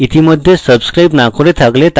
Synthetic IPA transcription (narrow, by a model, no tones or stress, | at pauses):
it̪ʰiməd̪ʱːjesəbskɾajbnakʰoɽet̪ʰaklet̪